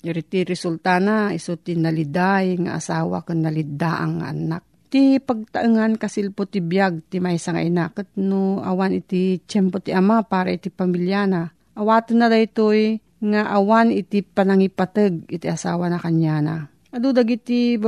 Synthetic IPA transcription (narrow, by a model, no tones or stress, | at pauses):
ɾit̪iɾɛsult̪anaɪsot̪inɐlɪd̪ajŋa̰ʔa̰saːwa̰kɨnːɐlɪd̪aʔa̰ŋːa̰ʔɐ̰nak̚t̪ipaɡ̚t̪ɐʔɨŋankɐsɪlpot̪ibjaɡ̚t̪imajsaŋa̰ʔinakɐt̪̚noʔawanɪt̪it͡ʃɛmpot̪iʔɐmapaːɾa̰it̪ipamiljana | ʔɐwaːt̪ɨnːad̪ajt̪oj | ŋaʔawanɪt̪ipɐnɐŋipat̪ɨɡ̚ɪt̪iʔɐsaːwanakaɲjana | ʔɐd̪ud̪aɡit̪i